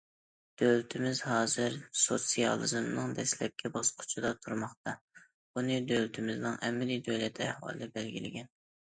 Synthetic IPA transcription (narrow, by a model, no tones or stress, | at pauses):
d̪̥ølt̪ʰɪmɪzhɑːzɨɾsot̪sijɑ̰lˠɨzɨmnɨŋd̪ɛslɛp̚kʲʰɛbɑsqʰʊ̥t͡ʃʰid̪ɑt̪ʰuɾmɑχt̪ɑ | bunɨd̪ølt̪ʰɪmɪznɨŋʔɛmɛlid̪øjlɛt̪ʰɛhwɑ̰lˠɨ̰d̪ɛbɛlɡʲḭlɪ̰ɡʲɛn